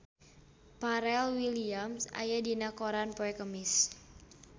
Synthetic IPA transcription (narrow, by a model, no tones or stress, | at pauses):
paɾɛlwiliamsa̰jadinakoɾanpoɛkəmɪs